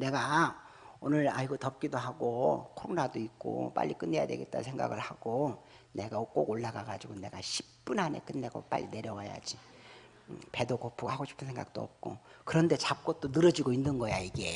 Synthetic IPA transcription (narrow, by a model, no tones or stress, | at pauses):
ne̞ɡa | onɯɾa̰iɡotʌp̚k͈idoɦaɡokʰoɾonadoik̚k͈o̰p͈a̰ʎːʔik͈ɯnːe̞ja̰dwe̞̰ɡe̞t͈̚a̰nsʰeŋɡa̰ɡɯɭhaɡ̥o | ne̞ɡak͈oɡoɭːaɡaɡad͡ʑiɡone̞ɡaɕʰi̥pp͈unɦane̞̰k͈ɯnːe̞ɡo̰p͈a̰ʎːʔḭne̞ɾjʌwaja̰d͡ʑi | pe̞dokopʰuɡhaɡoɕʰi̥pʰɯnsʰeŋɡa̰k̚t͈o̰ʌp̚k͈okɯɾʌnde̞t͡ɕap̚k͈ʌt̚t͈onɯɾʌd͡ʑiɡoinːɯnɡʌjaiɡe̞